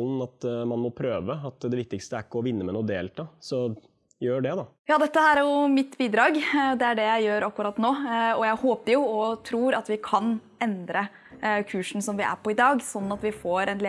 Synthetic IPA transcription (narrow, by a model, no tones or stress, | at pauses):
ln̩ɑt̪mɑnmɔpʰɾøːʋəɑt̪d̪ɛʋɪk̚t̪ɪkst̪əæɾkːɔʋɪnːəmɛnuːd̪eːlt̪ʰɑːsɔ | jøːɖɛd̪ɑjɑːd̪ɛt̪ːəhæːɾæɾjʊmɪt̪ːbiːd̪ɾɑːɡd̪ɛæɖɛjæɪjøːɾɑkːʉɾɑt̪ːnoːɔjæɪhoːpəɾjʊɔt̪ʰɾuːɾɑt̪ʋɪkʰɑn | ɛnd̪ɾə | kʰʉːʂn̩sɔmʋɪʔæ̰ɾpʰɔɪd̪ɑːɡsɔnːnɑt̪ʋɪfoːɾɛnl